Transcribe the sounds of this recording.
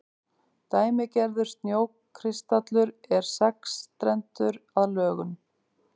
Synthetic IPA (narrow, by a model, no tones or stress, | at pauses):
t̪aːjmɪcɛɾðʏɾ̥st̪njoːwkkʰɾɪst̪at̪lʏɾɛɾ̥sɛkst̪ɾɛnt̪ʏɾaðlœːɣʏm